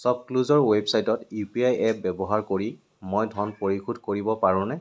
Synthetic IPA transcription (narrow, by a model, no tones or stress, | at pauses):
sɔb̚kluzɔɹwebsajtɔtipiajɛp̚bɛbɔɦaɹkoɹi | mojdʱɔnpoɹixʰudʱkoɹibɔpaɹʊ̃nɛ